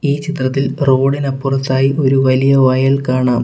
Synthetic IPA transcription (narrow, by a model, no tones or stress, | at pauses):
iːt͡ɕit̪rɐt̪ːilro̞ːɽinɐpːurɐt̪ːaːjiʔo̞ɾuʋɐlijɐʋɐjɐɭkaːɳaːm